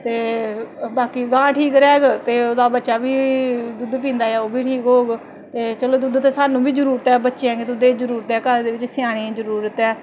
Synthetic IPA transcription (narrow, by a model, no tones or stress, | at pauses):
t̪eːbaːkiːɡãːʈʰiːkɾɛːɡt̪eːoːd̪aːbətːʃaːbiːd̪ʊd̪p̬ĩːnd̪aːjɛːoːbiːʈʰiːkɦoːɡ | t̪eːt͡ʃəloːd̪ʊd̪t̪eːsaːnũːbʱiːd͡ʒəɾuːɾət̪ɛːbətːʃeãːɡet̪ʊd̪eːd͡ʒəɾuːɾt̪ɛːkəɾd̪eːʋɪt͡ʃsɪjaːɽ̃ĩːzəɾuːɾət̪ɛː